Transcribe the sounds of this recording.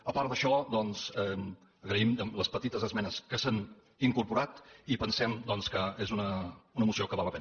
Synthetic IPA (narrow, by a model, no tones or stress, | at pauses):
əpaɾd̪əʃɔd̪ɔnzɛm | əɣɾəimləspət̪it̪əzəzmɛnəskəsan | iŋkuɾpuɾat̪ipənsɛmd̪ɔnskəezunəunəmusiokəβaləpɛn